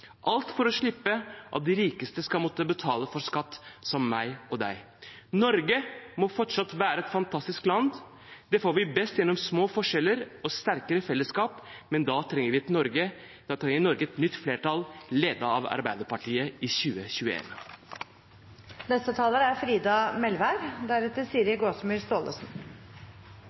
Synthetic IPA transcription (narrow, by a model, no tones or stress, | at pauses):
ʔɑlt̪fɔɾɔʂɭɪpːəʔɑ̰t̪̚d̪ɪɾiːkəst̪əskɑlmɔt̪ːəbət̪ʰɑːləfɔɾskɑt̪ːsɔmːæɪɔd̪æ̰ɪ | nɔɾɡəmɔfɔʈʂɑt̪ːʋæːɾəɛt̪fɑnt̪ʰɑst̪ɪsklɑnd̪ | d̪ɛfoːɾʋɪbɛst̪jɛnːɔmsmoːfɔʂɛlːəɾɔst̪æɾkəɾəfɛlːəskɑːpmɛnd̪ɑːt̪ʰɾɛŋːəɾʋɪɛt̪nɔɾɡə | d̪̥ɑt̪ʰɾɛŋːəɾnɔɾɡəɛt̪nʏt̪ːfleːʈɑlleːd̪əɑ̰ʋɑ̰ɾbæɪd̪əɾpɑʈʰiːəɪçʉːəçʉːəḛːn | nɛst̪ət̪ʰɑːləɾəæɾfɾiːd̪ɑmɛlʋæɾɡd̪æɾɛt̪əsiːəɾəɡoːsmyːɾst̪oːlə̰sn